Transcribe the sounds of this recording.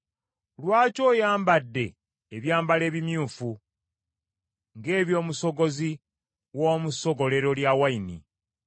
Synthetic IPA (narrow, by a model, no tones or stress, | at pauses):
lwaːco̞ːjaːmbadːe̞ː | βjaːmbale̞ːβimjuːfu | ŋɡe̞ːβjo̞ːmuso̞ɡo̞zi | woːmuso̞ɡo̞le̞ɾo̞ljawainḭ